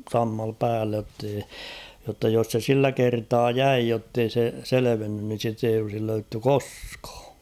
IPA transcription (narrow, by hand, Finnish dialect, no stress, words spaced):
sɑmːɑl pæːlːej jotːei jotːɑ jos se silːæ kertɑː jæi jotːei se seleʋenːyn nin̞ sit eij olsil løytːy koskɑ̥ː